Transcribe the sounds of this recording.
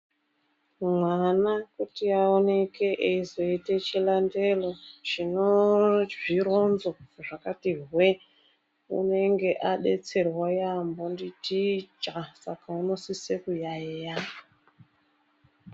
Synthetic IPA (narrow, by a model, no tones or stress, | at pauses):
mwanakutiaone̞ke̞ʔeizo̞itet͡ʃilande̞lo̞t͡ʃinod͡ʒiɾo̞nzoʐakatiɦwe | ṵne̞ŋɡe̞ʔaɗe̞t͡se̞rwajambonditid͡ʒasakauno̞sisekujaeja